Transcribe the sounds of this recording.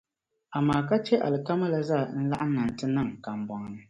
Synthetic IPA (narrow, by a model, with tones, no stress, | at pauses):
a˨maː˨ka˦t͡ʃɛ˦ʔa̰˨lɨ˨ka˦ma˦la˦za˦˨n̩˦la̰˦ʔa˦na˨n˨tɨ˦nɨ˦˨ŋka˨m˨ba˨ŋ˦nɨ˦